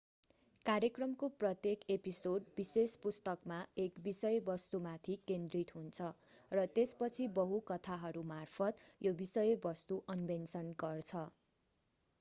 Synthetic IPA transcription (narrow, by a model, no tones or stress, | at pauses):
kaɾjekrʌmkoprʌt̪jekepisoɖbisespust̪ʌkmaekbisʌjbʌst̪umat̪ʰikend̪rit̪ɦunt͡sʰʌrʌt̪espʌt͡sʰibʌɦukʌt̪ʰaɦʌɾumarpʰʌt̪jobisʌjbʌst̪uʔʌnbʱensʌnɡʌrt͡sʰʌ